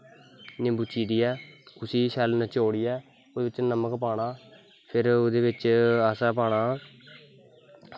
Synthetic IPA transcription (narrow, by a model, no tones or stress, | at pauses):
nẽːbʊt͡ʃiːd̪iːɛːʊsiːʃʰɛːlnːt͡ʃoːɽiːɛː | oːd̪eːbɪt͡ʃnəməkpaːɽaː | pʰɪɾoːd̪eːbɪt͡ʃaːsaːp̬aːɽaː